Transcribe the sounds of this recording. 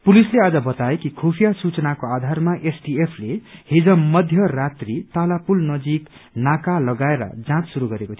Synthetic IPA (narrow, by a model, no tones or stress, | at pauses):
pulislead͡zʌbʌt̪aekikʰopʰijasut͡sʌnakoad̪ʱarmaʔesʈiepʰlehed͡zʌmʌd̪ʱjʌrat̪rit̪alapulnʌd͡zik | nakalʌɡaeɾʌ̰d͡zãt͡ssuɾuɡʌɾekot̪ʰio